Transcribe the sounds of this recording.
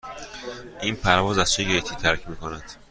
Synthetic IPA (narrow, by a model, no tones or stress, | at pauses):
ʔiːnpʰæɾvɒːzæz̥t͡ʃʰeɟet̪ʰiːt̪ʰæɾcʰmiːkʰonæd̪̥